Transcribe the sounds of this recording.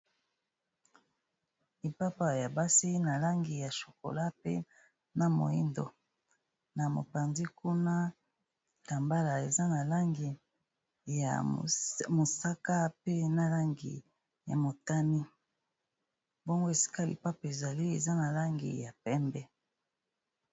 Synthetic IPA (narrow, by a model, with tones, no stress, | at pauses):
li˨pa˦pa˨ja˨ba˦si˦na˨la˦ŋɡi˨ja˨ʃo̥˨ko̰˨la˦pḛ˦ | na˨mo̰˨ḭ˦ndo̰˨ | na˨mo̰˨pa˨nzi˦ku˦na˦ | ta˨mba˦la˨e˨za˦na˨la˦ŋɡi˨ | ja̰˨ | mo˨sa˦ka˦pe˦na˨la˦ŋɡḭ˨ | ja̰˨mo˨ta˦mi˦ | bo˦ŋɡo˦e˨si̥˦ka˦lḭ˨pa˦pa˨e˨za˨li˦e˨za˦na˨la˦ŋɡḭ˨ja˨pɛ˦mbɛ˦